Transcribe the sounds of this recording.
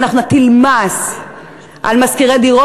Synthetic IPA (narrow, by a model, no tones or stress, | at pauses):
naχnut̪ilmas | ʔa̰lmaskiʁed̪iʁo